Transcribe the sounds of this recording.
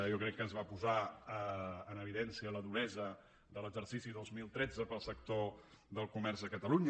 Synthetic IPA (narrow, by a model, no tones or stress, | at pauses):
jɔkɾɛkːənzβapuzaəənəβ̞iðɛnsiələðunɛzə | ðələɡzəɾsisiðozmilˠt̪ɾɛd͡zəpəlˠsək̚t̪o | ðəlˠkumɛrzðəkət̪əluɲ